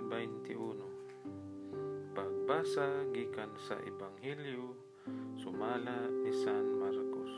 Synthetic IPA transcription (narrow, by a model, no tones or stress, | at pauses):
bɛjnt̪iʔuno | paɡ̚basaɡikansa̰ʔɛbaŋɦɛljo | sʊmalaisanmaɾkos